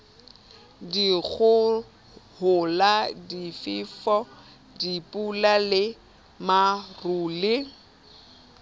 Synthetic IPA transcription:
diɣʊ | hʊladifɪːfɔ | dipʼulalɪ | maruːlɪ

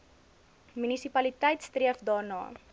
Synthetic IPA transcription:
mynisipɐlitɛjtstriəfdɑːrnɑ̰ː

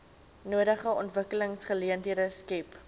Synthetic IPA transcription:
nuəɾəχəɔntvəkələŋsχəliəntiədəskɛp

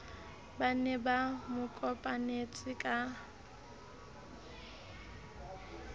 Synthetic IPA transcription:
banɛbamʊkʼɔpʼanet͡sʼɪkʼa

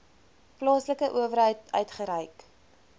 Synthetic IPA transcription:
plɑːsləkəʔuəvəɾɦəjtœ̰ɥtχəɾəjk

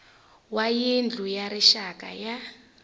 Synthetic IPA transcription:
wajind͡ɮʱujaɾiʃakʼa̰ja

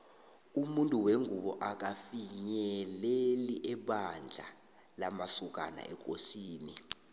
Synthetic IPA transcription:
umuntʼuweŋuɓɔʔak̬afiɲɛleliʔɛɓand͡ɮʱa̰ | lamasuk̬ʼa̰na̰ʔɛk̬ʼosiːni

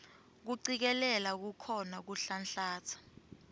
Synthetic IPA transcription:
k̬uǀik̬ɛlɛlak̬ukʰɔnak̬uɬanɬaːt͡sʰḁ

